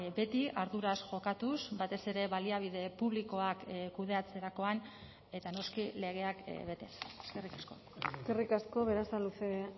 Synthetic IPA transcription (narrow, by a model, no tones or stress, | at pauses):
be̞t̪iaɾðuɾasʝo̞kat̪usbat̪e̞se̞ɾe̞βaliaβ̞ið̞e̞puβ̞liko̞akkuðe̞at͡se̞ɾako̞an | e̞t̪ano̞skile̞ɣ̞e̞akβe̞t̪e̞seske̞rikasko̞ | ske̞rikasko̞βe̞ɾasaluse